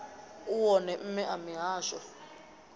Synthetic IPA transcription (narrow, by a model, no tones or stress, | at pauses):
uwɔnɛm̩mɛʔamiɦaːʃɔ